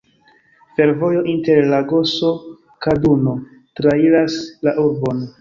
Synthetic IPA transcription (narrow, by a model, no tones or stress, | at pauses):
fe̞ɾvo̞jo̞ʔinte̞ɾlaɡo̞so̞ | kaduno̞ | tɾailaslaʔuɾbo̞n